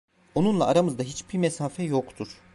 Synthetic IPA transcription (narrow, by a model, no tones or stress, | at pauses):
o̞nunlˠaːɾamɯzd̪aɦit͡ʃbiɾmɛsaːfɛjo̞kt̪ʰuɾ̥